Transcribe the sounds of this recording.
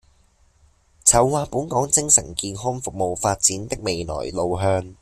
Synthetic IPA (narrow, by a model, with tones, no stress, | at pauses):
t͡sʰɐ˨˩wːaː˧puː˨˥nkɔː˨˥ŋt͡sɪ˥ŋsɐ̰˨˩nkiː˧nɦɔ˥ŋfʊ˨k̚mo˨wfaː˧t̚t͡siː˨˥nt̪ɪ˥k̚me˨jlɔ̰ː˨˩jlo˨wɦœː˧ŋ